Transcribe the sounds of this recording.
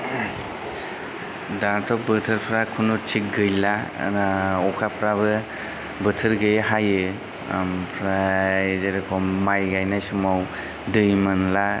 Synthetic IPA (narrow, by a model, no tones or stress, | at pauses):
daɾtʰɔk̚bɯtʰɯɾpʰɾakʰunut͡ʃʰik̚ɡɯjla̰aɔkʰapʰɾaβɯ | bɯtʰɯɾɡɯjɦajɯ | mpʰɾazeɾɯkʰɔmːajɡajnajsumaw | dɯjmɯnla